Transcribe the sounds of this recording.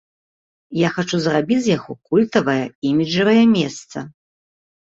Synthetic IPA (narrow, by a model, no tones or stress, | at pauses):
jaxat͡ʂuzrabʲid͡zʲzʲjaɣɔkulʲt̪ɐvɐjɐimʲiʐɐvɐjɛmʲɛst̪sɐ